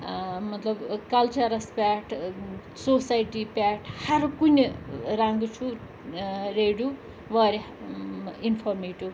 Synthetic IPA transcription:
mʌt̪lʌbkʌlt͡sʌɾɐspaʈʰ | sosajʈipaʈʰhaɾukuneɾaŋɡut͡sʰu | ɾeɽju | ʋʌɾe | inpʰormiʈu

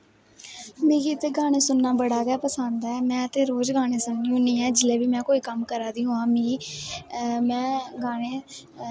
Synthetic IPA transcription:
mĩːɡiːt̪eːɡaːɽ̃eːsʊnːaːbəɽaːɡɛːpəsənd̪aɛːmɛ̃ːət̪eːɾoːd͡ʒɡaːɽ̃eːsʊnːiːũːnĩːɛːd͡ʒɪleːbiːmɛ̃ːkoːiːkəmkəɾaːd̪iːũːãːmiiː | mɛ̃ːɡaːɽ̃eː

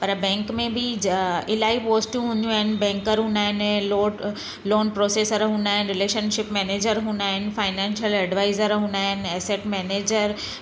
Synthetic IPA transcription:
pɐɾbɛ̃ːŋkmẽbʱɪɪlaːipoːsʈjũɦũnd̪ijũaːɦɪnɪ̆bɛ̃ːŋkəɾɦũːnd̪aːɦɪnloː | loːnpɾoːseːsəɾɦũːnd̪aːɦɪnɪɾɪleːʃənʃɪpmɛːneːd͡ʑəɾɦũːnd̪aːɦɪnɪ̆faːɪnɛ̃ːnʃəlɛɖʋaːɪzəɾɦũːnd̪aːɦɪnɪɛːseʈmɛːneːd͡ʑəɾ

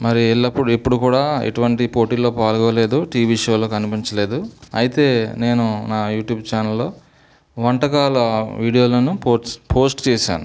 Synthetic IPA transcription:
mɐɾiiɭːɐpːuɽepːuɽukuːɽaːḛʈuʋɐɳʈipoːʈiːlo̞ːpaːlɡɔːle̞ːd̪uʈiːʋiʂoːlo̞ːkɐnipiɲt͡ʃɐle̞ːd̪uɐjit̪e̞ːne̞ːnunaːjuːʈjuːbt͡ʃaːnɐlːo̞ː | ʋɐɳʈɐkaːlɐʋiːɽijoːlɐnupopʰo̞ːsʈt͡ʃɛːʃa̰ːnu

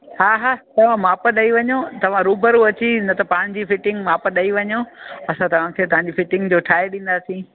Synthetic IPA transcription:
ɦaːɦaːt̪ɐʋ̤ãmaːpəɗɐiʋɐɲot̪ɐʋ̤ãɾuːbəɾuɐt͡ɕinɐt̪ɐpaːɽ̃̆d͡ʑifɪʈɪ̃ŋɡmaːpɗɐiʋɐɲoɐsãt̪ɐʋ̤ãkʰeːt̪ɐʋ̤ãɲd͡ʑifɪʈɪ̃ŋɡd͡ʑoːʈʰaːeɗĩːn̆d̪asĩ

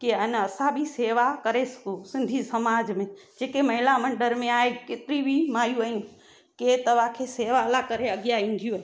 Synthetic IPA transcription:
kiənɐsãbʱiseːʋakɐɾesɐ̥kusɪ̃nd̪ʱisɐmaːd͡ʒmẽ | d͡ʒeːkemɐɦɪlamɐ̃ɳɖəɾmẽaːekɪt̪ɪɾibʱimaːjuaːin | ket̪ɐʋ̤akʰeseːʋalakɐɾeɐɡijaĩn̆d̪ʱijũɦ

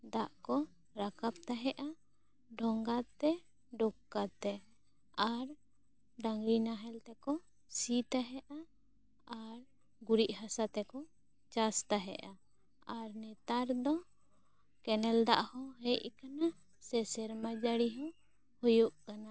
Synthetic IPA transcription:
d̪aʔkɔ | ɾakap̚t̪aɦɛʔa | ɖʱɔŋɡat̪ɛ | ɖɔkːat̪ɛ | aɾ | ɖaŋɡɾinaɦɛlt̪ɛkɔ | sit̪aɦɛʔa | aɾ | ɡuɾiʔhasat̪ɛkɔ | t͡ʃast̪aɦɛ̰ʔa | aɾnɛt̪aɾd̪ɔ | kɛnɛld̪a̰ʔhɔɦɛʔ̚kana | sɛsɛɾmad͡ʒaɽiɦɔ | hujuʔkana

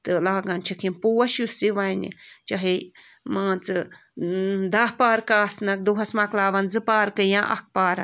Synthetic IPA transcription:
t̪ɨlaːɡant͡ʃʰɐkʰinpuːwɐʃjusiʋajnʲḭt͡ʃaɦi | mãːt͡sɨ | d̪aːhpaːɾkaːsnɐk̚d̪uɦɐsmaklaːʋɐnzɨpaːɾkɨjãʔɐ̰k̚ʰpaːɾɐ

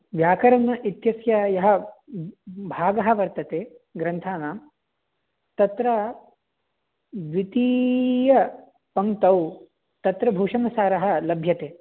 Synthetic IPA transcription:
ʋjaːkɐɾɐnɐʔit̪jɐsjɐjɐɦɐ̆ | bʱaːɡɐɦɐ̆ʋɐɾt̪ɐt̪eː | ɡɾɐnt̪ʰaːnaːm | t̪ɐt̪ɾɐ | ʋit̪ijɐ | pɐŋt̪ɐw | t̪ɐt̪ɾɐbʱuːʂɐnɐsaːɾɐɦɐ̆lɐbʱjɐt̪eː

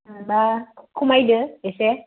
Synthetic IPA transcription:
bakʰumajdəɛsɛ

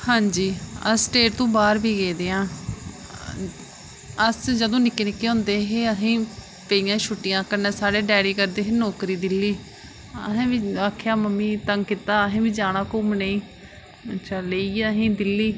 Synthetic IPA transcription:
hãːɲd͡ʒiːə̰sʈeːʈt̪õːbaːɾbiːɡeːd̪eːãː | əsd͡ʒəd̪õːnɪkːeːnɪkːeːɦõːnd̪eːɦeːəsĩː | peiːjãːʃʰʊʈːɪjãːkənẽːsaːɽeːɖɛːɽiːkəɾd̪eːɦeːnɔːkɾiːd̪ɪlːiː | əɦẽːʋiːaːkʰjaːməmːiːt̪əŋɡkɪt̪ːaːəɦẽːbiːd͡ʒaːɽãːkʊmneiː | t͡ʃəleiːəɦĩːd̪ɪlːiː

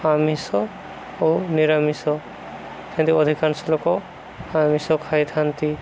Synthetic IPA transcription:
amisɔ | oniɾamisɔ | kʰɛ̃nd̪iɔd̪ʱikansɔlɔkɔ | amisɔkʰajt̪ʰant̪i

